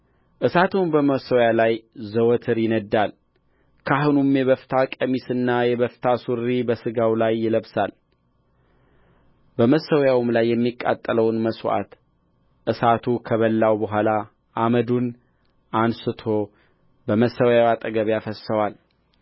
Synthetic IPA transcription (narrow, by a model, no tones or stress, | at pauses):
ʔɨsat̪ʰunbəməsəwjalajzəwɔt̪ʰɨɾjɪnəd̪ːal | kʰaɦɨnumjɛβəft̪ʰakʼəmisɨnːajɛβəft̪ʰasuɾːibəsɨɡawlajːɪləβsal | bəməsːəwjawmlajːɛmːikʼːa̰t̪ʼːələwnməswa̰t̪ | ʔɨsat̪ʰukʰəβəlːawbəɦʷala | ʔaməd̪un | ʔansɨt̪ʰo̞ | bəməsəwjawat̪ʼəɡəβjafəsːəwal